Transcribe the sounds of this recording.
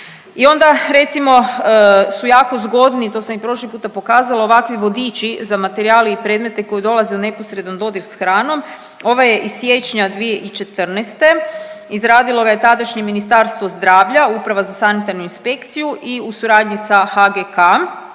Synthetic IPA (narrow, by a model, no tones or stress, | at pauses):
io̞nd̪aɾe̞t̪simo̞ | sujaːko̞zɡo̞d̪nit̪o̞ːsamipɾo̞ʃlipuːt̪apo̞kaːzaloːʋakʋiʋo̞d̪it͡ʃizamat̪eɾiaːliipɾed̪me̞t̪e̞ko̞jid̪o̞lˠaze̞une̞posɾe̞d̪and̪o̞d̪iɾsxɾaːno̞m | o̞ʋaje̞ʔissːjet͡ʃɲad̪ʋije̞ʔit͡ʃe̞t̪r̩nɛst̪e̞izɾaːd̪ilˠo̞ɡaje̞t̪ad̪aʃɲeminist̪aɾst̪ʋo̞zd̪ɾaːʋʎaupɾaʋazasanit̪aɾnuinspe̞kt̪sijuʔiusuɾaːd̪ɲisaxaɡeka